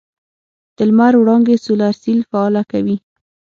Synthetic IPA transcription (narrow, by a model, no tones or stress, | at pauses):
d̪̥əlmaɾwɽɑŋɡesulaɾsilfaːlakawi